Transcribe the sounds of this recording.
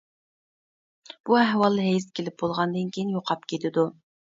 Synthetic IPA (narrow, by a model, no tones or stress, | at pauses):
b̥uæɦwɑlˠːɦɛjskʲʰelɪp̚bolˠʁɑnd̪ɨnkʲʰijinjoqʰɑpkʲʰet̪ʰɪd̪u